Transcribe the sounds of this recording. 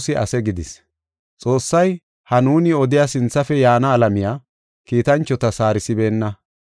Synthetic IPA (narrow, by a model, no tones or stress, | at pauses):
sɪʔɐ̰sɛɡɪd̪ɪs | t͡sʼo̞ːsːɐj | hɐnuːnɪɔd̪ɪjasɪnt͡sːɐfɛjaːnɐːlɐmɪjaː | kiːt̪ɐnt͡ʃːɔt̪ɐsaːɾɪsɪbe̞ːnːɐ